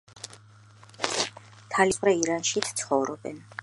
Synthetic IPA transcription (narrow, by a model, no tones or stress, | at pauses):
t̪ʰalivɾɛiɾanʃit̪ʰt̪sʰχɔvɾɔbɛ̰n